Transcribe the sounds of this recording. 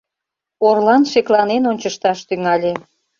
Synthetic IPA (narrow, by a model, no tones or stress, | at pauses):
orlɑnʃeklɑnenonʲt͡ɕəʃt̪ɑʃt̪yŋɑlʲe